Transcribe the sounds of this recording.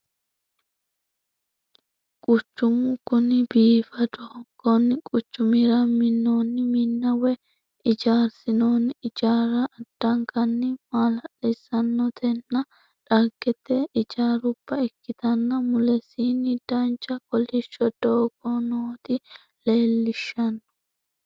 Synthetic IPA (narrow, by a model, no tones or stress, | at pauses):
kʼʊt͡ʃːʊmʊkʊnɪbiːfɐd̪oːɡ̥ɔnkʼʊt͡ʃːʊmiɾɐmɪnːoːnːɪmɪnːɐwɛ | ɪd͡ʒaːɾsɪnonɪd͡ʒaːɾɐʔːd̪̥ːɐŋkɐnːɪmaːlɐʔɛsɐnːɔt̪ʰɛnːɐ | ᶑɐɡɛt̪ːɛɪd͡ʒaːɾʊb̥ːɐɛkːɪt̪ɐnːɐmʊlɛsiːnɪd̪̥ɐnt͡ʃʼːɐkɔlɪʃɔd̪̥oːɡɔnoːt̪ɪ | leːlːɪʃːɐnɔ̥